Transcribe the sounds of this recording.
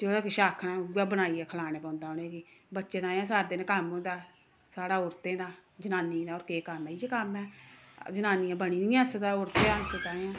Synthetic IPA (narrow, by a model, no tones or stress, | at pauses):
d͡ʒeɽaːkɪʃaːkʰnãːaːbənaːiːɛːkʰəlaːɽ̃eːpɔ̃ːnd̪aːneːɡiːbətːʃeːt̪ãːjãːs̬aːɾd̪enkəmõːnd̪aː | saːɽaːʊɾt̪ẽːd̪aːd͡ʒənaːniːd̪aːɔːɾkeːkəmːijeːkəmɛː | d͡ʒənaːnijãːbəɽ̃iːniːãːsd̪aːʊɾt̪eːãːɪset̪aːjãː